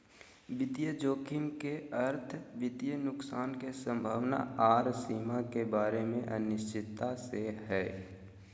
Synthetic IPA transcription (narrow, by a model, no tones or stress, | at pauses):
ʋɪd̪jəd͡ʒoːkʰɪmkeəɾt̪ʰʋɪd̪jənʊksaːnkesə̃mbʱaːʋna̰aːɾsiːmakebaːɾemẽʔənɪʃt͡ʃɪt̪ːaseɦɛː